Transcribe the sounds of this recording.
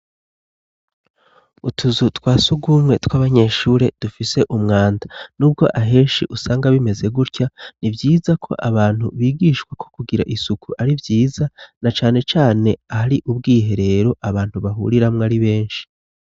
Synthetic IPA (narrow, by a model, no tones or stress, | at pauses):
utʰuzutwaːsuɡɡuːmŋe̞twaβaɲe̞ːʃuːɾe̞d̥ufise̞ʔumŋaːndanuːb̚ɡo̞ʔaɦe̞ːnʃḭʔusaːŋɡaβime̞ze̞ɡuɾcanivjiːzakʰo̞̰ʔaβaːnhṵβiːɡiːʃkwakʰo̞kuɡiɾa̰ʔisukuʔaɾivjiːzanat͡ʃaːne̞t͡ʃaːne̞ahaɾiʔubɡiːɦe̞ɾe̞ɾo̞ʔaβaːn̥huβaɦṵɾiɾamŋaːɾiβe̞ːnʃi̥